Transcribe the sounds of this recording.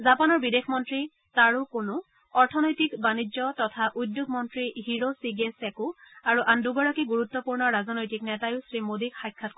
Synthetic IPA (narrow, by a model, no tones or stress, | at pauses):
zapanɔɹbidexʰmɔntɹi | taɹʊkonʊ | ɔɹtʰɔnojtikbanid͡ʒɔtɔtʰaʔudjuɡmɔntɹiɦiɹosiɡesɛkuaɹuʔanduɡɔɹakiɡuɹut̪ːɔpuɹnɔɹazɔnojtiknɛtajʊsɹimodikxajkʰːatk